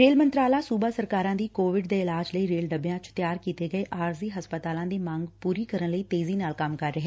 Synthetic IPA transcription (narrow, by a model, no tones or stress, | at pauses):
ɾeːlmənt̪ɾaːlaːsuːbaːsəɾkaːɾãːd̪iːkoːʋɪɖd̪eːɪlaːd͡ʒləiːɾeːlɖəbjãːt͡ʃt̪ɪjaːɾkiːt̪eːɡəeːʔaːɾziːɦəspət̪aːlãːd̪iːmãːŋɡpuːɾiːkəɾənləiːt̪eːziːnaːlkəmkəɾːəɦɛː